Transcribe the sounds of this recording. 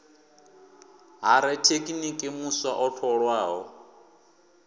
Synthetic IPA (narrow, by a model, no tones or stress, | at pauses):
ɦaɾɛtʰekʼinikʼɪmuswaʔɔɬʰɔɺwaːɦɔ